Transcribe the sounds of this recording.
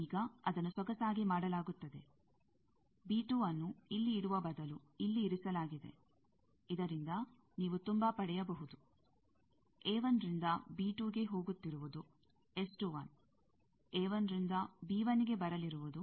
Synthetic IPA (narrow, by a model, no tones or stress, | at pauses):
iːɡɐɐd̪ɐnːusʋɐɡɐsaːɡimaːɽɐlaːɡut̪ːɐd̪e̞̰ | biːʈuːɐnːuilːiːɽuʋɐbɐd̪ɐluilːiːɾisɐlaːɡid̪e̞̰ | id̪ɐɾind̪ɐ | niːʋut̪umbɐpɐɽɛjɐbɐɦud̪u | eːʋɐnɾind̪ɐbiːʈuːɡe̞ɦo̞ːɡut̪ːiɾuʋud̪u | esʈuʋɐn | eːʋɐnɾind̪ɐbiːʋɐniɡe̞bɐɾɐliɾuʋud̪u